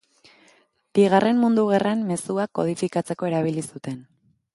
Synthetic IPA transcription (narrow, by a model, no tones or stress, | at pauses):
b̥iɣ̞are̞mmund̪uɣ̞eramme̞suako̞̰ð̞ifikat͡se̞ko̞e̞ɾaβ̞ilisut̪e̞n